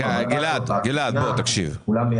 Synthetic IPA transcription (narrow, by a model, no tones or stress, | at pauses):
aɡilad̪ɡilad̪bot̪ɐkʃḭvula